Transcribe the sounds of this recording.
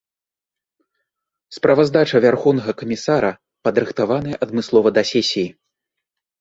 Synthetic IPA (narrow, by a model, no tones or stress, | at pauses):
spɾɐvɐzd̪at͡ʂɐvʲarxɔwn̪ɐɣɐkɐmʲisaɾɐ | pɐd̪ɾɨxt̪avanɨjɛʔɐd̪mɨslˠɔvɐd̪ɐsʲɛsʲiji